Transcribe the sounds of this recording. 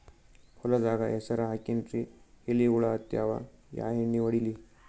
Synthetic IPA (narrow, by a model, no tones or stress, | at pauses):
hɔlɐd̪aːɡɐʔesɐɾɐɦakinʈɾiheliɡuɭaːt̪jaːʋa̰ja̰ːɦeɳːiʋɐɽili